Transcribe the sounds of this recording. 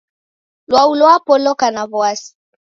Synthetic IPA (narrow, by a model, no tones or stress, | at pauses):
lwaulɔapɔlɔkanaβɔasi̥